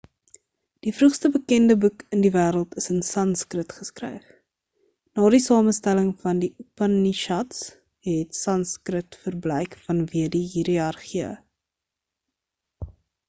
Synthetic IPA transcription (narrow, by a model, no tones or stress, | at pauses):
d̥ifrʉχstəbəkɛndəbukəndivæːɾəlˠtəsənsɐnskrətχəskrɛ̰jf | nɑːdisɑːməstæləŋfɐndiupɐniʃɐts | ɦɛtsɐnskrətfərblɛjkfɐnviədiɦiɾiɐrχiə̰